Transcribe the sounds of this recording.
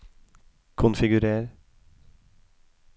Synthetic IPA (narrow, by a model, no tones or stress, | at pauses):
kʰʊnfɪɡʉɾeːɾ